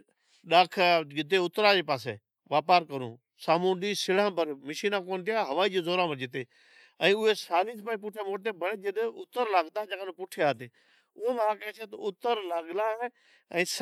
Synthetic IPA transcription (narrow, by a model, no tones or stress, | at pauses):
ɗaːkʰɡɪt̪eːʊt̪ɾãːd͡ʒeːpaːs̬ḛː | ʋaːpaːɾkəɾṵ̃ː | saːmũːɗiːsɪɽãːbəɾməʃiːnãːkoːnt̪ɪjaːɦəʋaːiːd͡ʒeːzoːɾãːbəɾd͡ʒɪt̪eː | ə̃ːʊɦeːsaːliːspaːiːp̬ʊʈʰeːmoːʈt̪eːbəɽeːd͡ʒɪɗʊt̪əɾlaːɡd̪aːd͡ʒakːnõːpʊʈʰejaːt̪eː | ʊmːãkɛːt͡ʃʰeːt̪ʊt̪əɾlaːɡlaːɦeː | ɛ̃ːs